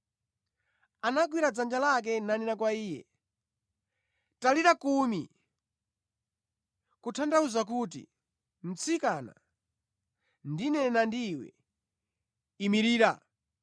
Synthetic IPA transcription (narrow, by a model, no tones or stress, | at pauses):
anak̬wiɾad͡zand͡ʒalak̬ɛnanɛnakwaiːjɛ̰ | taliɾakumḭ | kutʰandauzak̬ut̬ḭ | m̩t͡sʰikana̰ | ndinɛnandiwɛ̰ | imiɾiːɾa̰